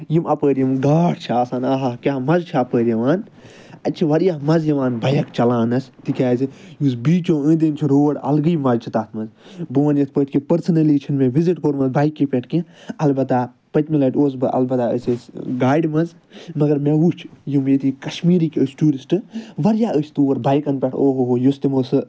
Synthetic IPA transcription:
jimɐpəːɾjimɡaːɽt͡ʃʰiasaːnaɦɐkʲaːmɐzt͡ʃʰiɐpəːɾʲjɐʋaːn | ɐt͡ʃʰiʋɐɾjaːɦmɐzjiʋaːnbʱɐjɐkt͡ʃɐlaːnɐsʲt̪ikʲaːzijuːsbiːt͡ʃõːə̃ːd̪int͡ʃʰiɾoːɽɐ̰lɡɨjmɐzt͡ʃʰit̪aːt̪ʰmɐzbɨʋɐnjɐt̪̚ʰpəʈʰkĩpɐɾsɐnɐliːt͡ʃʰinmẽʋiziʈkoɾmɐzbaːjkːipʲeʈʰkĩɐlbɐt̪aː | pɐt̪ʲmilɐʈʰʲoːs̬bɨʔɐ̰lbɐt̪aə̰sɨsɡaːjɖmɐnz | mɐɡɐɾmeʋut͡ʃʰjimet̪ikɐʃmiːɾikʲəsʈuːɾisʈɨʋɐɾjaːʔəsʰʲt̪uːɐɾbaːjkɐnpʲeʈʰoːɦoɦojust̪imosɨ

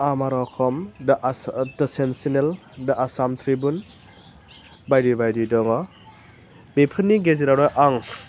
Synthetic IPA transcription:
amaɾɔkʰɔmdʔdɯsemsinel | daasamtʰɾibun | bajɾibajdidɔŋɔ | bepʰɯnːiɡeziɾaɾɔjʔaŋ

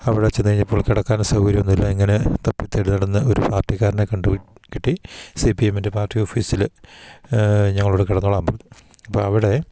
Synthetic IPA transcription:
ɐʋiɽet͡ɕːend̪iɐiɲːɐpːo̞ːɭkiɽɐkːaːnsɐwɡɐɾjimo̞nːilːɐiŋːɐnet̪ɐpːit̪ːeɽunɐɽɐnːɨo̞ɾupaːrtːiɣaːɾnekɐɳɖukːiʈːisipieminde̞paːrtːioːfiːsil | ɲɐŋːɐɭuːɽekiɽɐnːoɭaːmbɐnːu | ɐpːoːɐʋiɽe̞

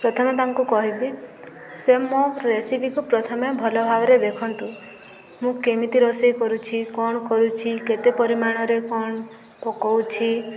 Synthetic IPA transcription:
pɾɔt̪ʰɔmet̪aŋkukɔɦibi | semɔɾesipikupɾɔt̪ʰɔmebʱɔlɔbʱabɔɾed̪ekʰɔnt̪u | mũkemit̪iɾɔsejkɔɾut͡ʃʰikɔɽ̃kɔɾut͡ʃʰiket̪epɔɾimaɽ̃ɔɾekɔɳ | pɔkɔwt͡ʃʰi

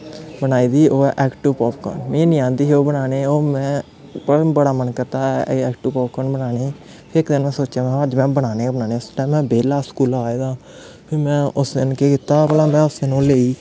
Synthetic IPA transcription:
bənaːiːd̪iːoːɛːʔɛːkʈɪʋpɔːpkɔ̰ːnmĩːnĩːãːnd̪iːɦoːbənaːneːoːmɛ̃ː | pəbəɽaːmənkəɾt̪aːɛːkʈupɔːpkɔːnbənaːneː | pʰɪɾɪkd̪ɪnmɛ̃ːsoːt͡ʃjaːmɛ̃ːəd͡ʒmɛ̃ːbəɽaːneːbənaːneːʊsʈãːmɛ̃ːbeːlaːskuːlaːeːd̪aː | pʰɪɾmɛ̃ːʊsɪnkeːkɪt̪aːbəlaːmɛ̃ːʊsenũːleːiː

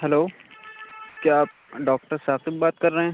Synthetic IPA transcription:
ɦɛloː | kjaːaːp̚ɖɔːk̚ʈəɾsaːqɪb̚baːt̪̚kɐɾːɐɦɛ̃ː

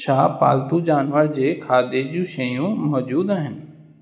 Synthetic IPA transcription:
ʃaːpa̰ːlt̪ũd͡ʑaːnʋəɾd͡ʑeːkʰaːd̪ed͡ʑũʃɐjũmɔːd͡ʑuːd̪aːɦɪnɪ̆

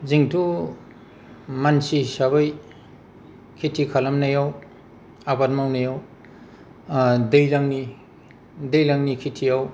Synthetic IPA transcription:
ziŋtʰu | mansisaβaj | kʰitʰikʰalamnajaw | abat̚mawnajaw | dɯjlaŋni | dɯjlaŋnikʰitʰijaw

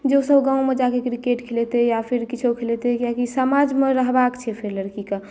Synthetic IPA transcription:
d͡ʒesəbɡãumed͡ʒakekɾikeʈkʰelet̪ejapʰiɾkit͡ʃʰokʰelet̪ekjakisəmad͡ʒmeɾəɦbakt͡ʃʰɛpʰiɾləɾkika

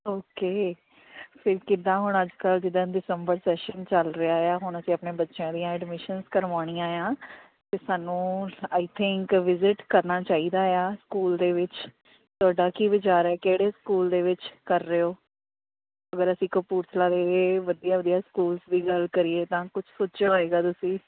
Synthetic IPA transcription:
oːkeː | pʰɪɾkɪd̪ãːɦʊɳəd͡ʒkəld͡ʒɪd̪ãːɖɪsəmbəɾsɛːʃənt͡ʃəlɾɪaːjaːɦʊɳəsĩːəpneːbətːʃjãːd̪ijãːɛːɖmɪʃənskəɾʋaːɽ̃ĩãːjãː | t̪eːsaːnũːaːɪt̪ʰɪŋkʋɪzɪʈkəɾnaːt͡ʃaːiːd̪aːjaːskuːld̪eːʋɪt͡ʃ | t̪ʊaːɖaːkiːʋɪt͡ʃaːɾɛːkeːɽeːskuːld̪eːʋɪt͡ʃkəɾːeːoː | əɡəɾəsĩːkəpuːɾt̪ʰlaːd̪eːʋəd̪ijaːʋəd̪ijaːskuːlsd̪iːɡəlkəɾieːt̪ãːkʊt͡ʃʰsʊtːd͡ʒaːɦoːeːɡaːt̪ʊsĩː

